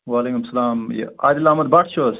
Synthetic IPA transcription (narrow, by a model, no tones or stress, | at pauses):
ʋaːleːkumsɐlaːmj̰a̰ːjd̪ilamɐd̪̚baːʈʰt͡ʃʰos